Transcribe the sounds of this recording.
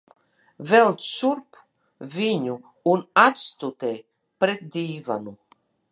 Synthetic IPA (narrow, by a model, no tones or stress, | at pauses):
vɛlt̪ːuɾp | viɲu | unat̪st̪ut̪e | pɾet̪̚d̪ʲiːva̰nu